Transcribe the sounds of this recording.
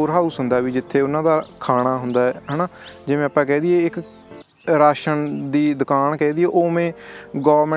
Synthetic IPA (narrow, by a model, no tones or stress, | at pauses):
oːɾɦaːuːsʊnd̪aːɛbiːd͡ʒɪt̪ʰːeːʊnãːd̪aːkʰaːɽ̃aːɦʊnd̪aːɛːɦənaːd͡ʒɪmẽːəpːãːkɛːd̪ieːɪk | ɾaːʃənd̪iːd̪ʊkaːnkɛːd̪ieːʔoːmẽːɡoːəɾm